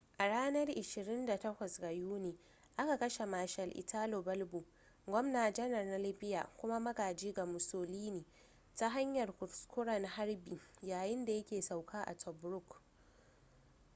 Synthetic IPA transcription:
ʔa˨ɽaː˦nɐ˦rʔɪ˨ʃɪ˨ɾɪ˦nda˨tɐ˦kʷɐ˨sɡa˨juː˦neː˨ | ʔa˦ka˨kɐ˦ʃe˨maː˨ʃɐ˨lʔɪ̰˨tʰaː˦lo˨bɐ˦lbu˨ | ɡʷɔ˦mnaː˨d͡ʒɐ˦nɐ˨rna˦lɪ˦ɸɪ˦ja̰ː˨kʷʊ˦ma˦mɐ˦ɡaː˨d͡ʒiː˦ɡa˨mʊ˨soː˨liː˦niː˨ | ta˦ɦa˦ɲjɐ˨rkʷʊ˨ɾskʷʊ˦ɽɐ˨n˨ha˦rbiː˨jaː˨jɪ˦nda˨jɐ˦kʲeː˨sa˨wkʰaː˦ʔa̰˨tʰɔ˨bɾʊ˦k

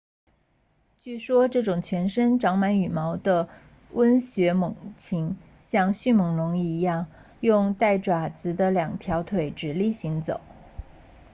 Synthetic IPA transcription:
t͡ɕy˥˩ʂwɔ˥ʈ͡ʂɤ˥˩ʈ͡ʂʊ˨˩ŋt͡ɕʰɥɛ˧˥nʂə˥nʈ͡ʂɑ˧˥ŋma˧˥ny˨˩mɑ˧˥ʊd̪ə˧ | wə˥nɕɥɛ˧˥mɤ˨˩ŋt͡ɕʰi˧˥ŋ | ɕjɑ˥˧ŋɕy˥˩mɤ˧˥ŋlʊ˧˥ŋi˥˩i˧˥jɑ˥˩ŋ | jʊ˥˧ŋt̪a˥˩ɪʈ͡ʂwa˨˩t͡sɹ̩˧˥d̪ə˧ljɑ˨˩ŋt̪ʰjɑ˧˥ʊt̪ʰwe˧˩ɪʈ͡ʂɻ̩˨˩li˥˩ɕi˧˥ŋt͡so̰˨˩˦ʊ

